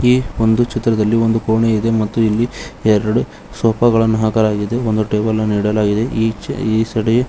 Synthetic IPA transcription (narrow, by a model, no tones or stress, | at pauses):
iːond̪ut͡ʃit̪ːɾɐd̪ɐlːio̞nd̪ukoːɳeid̪e̞mɐt̪ːuilːiɛɾɐɽu | soːpɐɡɐɭɐnːɐɦɐkɐɾaːɡid̪e̞o̞nd̪uʈeːʋɐlɐniːɽɐlaːɡid̪e̞iiːsɐɽɐje